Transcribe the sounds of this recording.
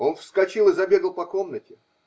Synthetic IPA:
o̞nfskɐt͡ɕilˠɨzɐbʲe̞ɡəlˠpɐko̞mnətʲɪ

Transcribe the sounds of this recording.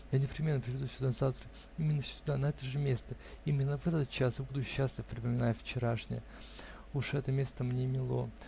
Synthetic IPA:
janʲɪpɾʲɪmʲenːəpɾʲɪvʲɪd̪ufʲsʲʊd̪anzaft̪ɾə | imʲɪnːəfsʲʊd̪anɐɛt̪əʐɨmʲe̞st̪ə | imʲɪnːəvɛt̪ət̪̚t͡ɕasbud̪ʊɕːasʲlʲɪvpɾʲɪpəmʲɪnajʊft͡ɕɪɾaʂnʲɪ̰jə | uʂɛt̪əmʲe̞st̪əmnʲemʲɪlˠo̞̰

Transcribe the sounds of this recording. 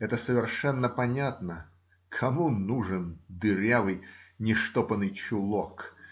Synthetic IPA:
ɛt̪əsəvʲɪrʂɛnːəpɐnʲat̪nə | kʰɐmunuʐɨnd̪ɨɾʲavɨjnʲɪʂt̪opənɨjt͡ɕʊlˠok

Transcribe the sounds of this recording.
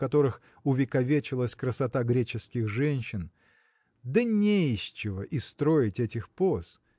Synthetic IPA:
kɐt̪o̞ɾɨx | ʊvʲɪkɐvʲet͡ɕɪlˠəsʲkɾəsɐt̪aɡɾʲet͡ɕɪskʲɪxʐɛnʲɕːɪn | d̪ənʲejɕɪvəʔist̪ɾo̞ɪtʲɛtʲɪxpos

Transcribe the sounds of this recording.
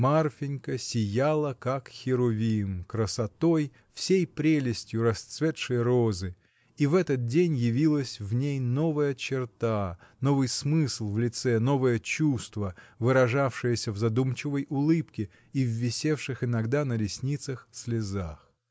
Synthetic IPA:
marfʲɪnʲkəsʲɪjalˠəkakxʲɪɾʊvʲimkɾəsɐt̪o̞j | fsʲejpɾʲelʲɪsʲtʲjʊɾɐst̪svʲet̪ʂɨjəɾo̞zɨ | ivɛt̪ət̪̚dʲenʲjɪvʲilˠəsʲvnʲejno̞vəjət͡ɕɪrt̪anovɨjsmɨslˠvlʲɪt̪sɛno̞vəjət͡ɕust̪vəvɨɾɐʐafʂɨjəsʲəvzɐd̪umt͡ɕɪvəjʊlˠɨpkʲɪ | ivːʲɪsʲefʂɨxɪnɐɡd̪anəlʲɪsʲnʲit̪səxsʲlʲɪzax

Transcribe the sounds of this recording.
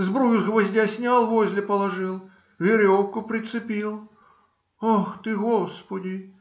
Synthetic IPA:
zbɾujʲɪxvɐzʲdʲasʲnʲalˠvozʲlʲɪpəlˠɐʐɨlˠ | vʲɪɾʲofkʊpɾʲɪt̪sɨpʲilˠ | axt̪ɨɣospədʲɪ

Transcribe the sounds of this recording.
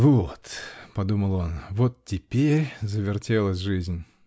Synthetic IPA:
vot̪pɐd̪uməlˠonvot̪tʲɪpʲeɾʲzəvʲɪrtʲe̞lˠəsʲʐɨzʲnʲ

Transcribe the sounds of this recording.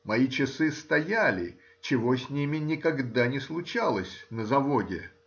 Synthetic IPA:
mɐit͡ɕɪsɨst̪ɐjalʲɪ̰ | t͡ɕɪvo̞sʲnʲimʲɪnʲɪkɐɡd̪anʲɪslˠʊt͡ɕalˠəsʲnəzɐvodʲɪ

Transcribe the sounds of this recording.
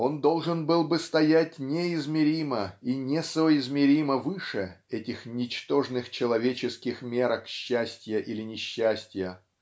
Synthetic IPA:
o̞nd̪o̞lˠʐɨnbɨlˠbɨst̪ɐjætʲnʲeɪzmʲɪɾʲiməinʲɪsoɪzmʲɪɾʲiməvɨʂɨɛtʲɪxnʲɪt͡ɕt̪o̞ʐnɨxt͡ɕɪlˠɐvʲet͡ɕɪskʲɪxmʲe̞ɾəkɕːæsʲtʲjəʔilʲɪnʲɪɕːæsʲtʲjə

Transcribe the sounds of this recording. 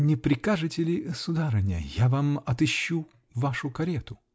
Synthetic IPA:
nʲɪpɾʲɪkaʐɨtʲɪlʲɪsʊd̪aɾɨnʲɪə̰javamɐt̪ɨɕːu | vaʂʊkɐɾʲet̪ʊ

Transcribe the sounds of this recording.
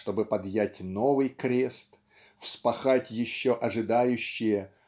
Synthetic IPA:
ʂt̪o̞bɨpɐd̪jætʲno̞vɨjkɾʲe̞st̪ | fspɐxatʲjɪɕːoʔɐʐɨd̪ajʉɕːɪjə

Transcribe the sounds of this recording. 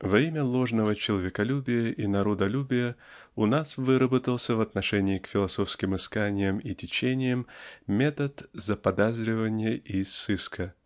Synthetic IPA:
vɐimʲəlˠo̞ʐnəvət͡ɕɪlˠɐvʲɪkɐlʲubʲɪjəʔinɐɾod̪ɐlʲubʲɪjə | ʊnasvɨɾəbət̪əlˠsʲəvɐt̪nɐʂɛnʲɪːkfʲɪlˠɐso̞fskʲɪmɨskanʲɪjəmitʲɪt͡ɕenʲɪjəmmʲet̪ət̪zəpɐd̪azɾʲɪvənʲɪjəʔisːɨskʰə

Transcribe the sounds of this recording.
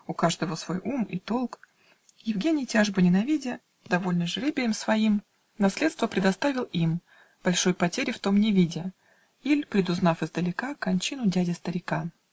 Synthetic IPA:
ʊkaʐd̪əvəsvo̞jʔumit̪o̞lˠk | jɪvɡʲenʲɪjtʲaʐbənʲɪnɐvʲidʲɪ | d̪ɐvo̞lʲnəʐɨɾʲebʲɪlʲɪmsvɐim | nɐsʲlʲet̪st̪vəpɾʲɪd̪ɐst̪avʲɪlˠim | b̥ɐlʲʂo̞jpɐtʲeɾʲɪft̪o̞mnʲɪvʲidʲɪ | ilʲpɾʲɪd̪ʊznafɨzd̪əlʲɪkakɐnʲt͡ɕinʊdʲædʲɪst̪əɾʲɪkan

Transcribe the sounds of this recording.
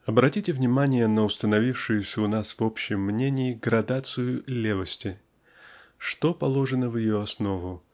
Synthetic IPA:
ɐbɾɐtʲitʲɪvnʲɪmanʲɪjənəʊst̪ənɐvʲifʂɨjʊsʲəʊnasvopɕɪmːnʲenʲɪːɡɾɐd̪at̪sɨjʊlʲe̞vəsʲtʲɪ | ʂt̪o̞pɐlˠo̞ʐɨnəvjɪjoɐsno̞vʊ

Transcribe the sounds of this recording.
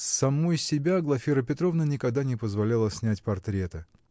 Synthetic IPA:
sɐmojsʲɪbʲaɡlˠɐfʲiɾəpʲɪt̪ɾovnənʲɪkɐɡd̪anʲɪpəzvɐlʲalˠəsʲnʲætʲpɐrt̪ɾʲet̪ə

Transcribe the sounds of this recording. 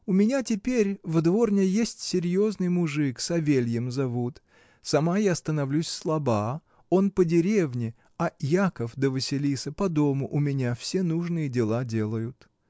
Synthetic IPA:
ʊmʲɪnʲatʲɪpʲeɾʲvd̪vo̞rnʲəjesʲtʲsʲɪɾʲjo̞znɨjmʊʐɨksɐvʲelʲjəmzɐvut̪ | sɐmajast̪ənɐvlʲusʲslˠɐba | o̞npədʲɪɾʲe̞vnʲɪ | ɐjakəfd̪əvɨsʲɪlʲisəpɐd̪o̞mʊʔʊmʲɪnʲafsʲe̞nuʐnɨjədʲɪlˠadʲelˠəjʊt̪

